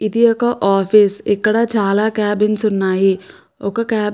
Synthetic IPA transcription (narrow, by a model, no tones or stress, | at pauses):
id̪iokɐʔaːfʰisekːɐɽad͡ʒʱaːlakaːbinsunːaːɦi | okɐkaː